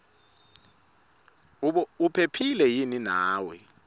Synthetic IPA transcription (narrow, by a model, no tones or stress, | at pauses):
upʰepʰilɛjininaːwɛ